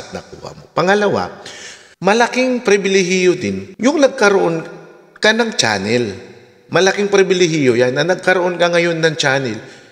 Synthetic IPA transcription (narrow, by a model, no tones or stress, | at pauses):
t̪̚nɐ̰kṵːhɐ̰mo̰pɐŋɐlɐwa̰ | mɐlɐkɪŋpɾɪbɪlɛɦɪjod̪ɪnjʊŋnɐɡ̚kɐɾoʔo̞n | kɐnɐŋt͡ʃa̰ːnɛl | mɐlɐkɪŋpɾɪbɪlɪɦɪjojanːɐnɐɡ̚kɐɾoʔo̞nkɐŋɐjo̞nːɐŋt͡ʃaːnɛl